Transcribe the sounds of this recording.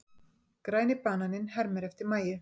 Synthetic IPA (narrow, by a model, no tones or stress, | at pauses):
kɾaːjnɪpaːnanɪnhɛɾmɛɾɛft̪ɪɾmaːjɪ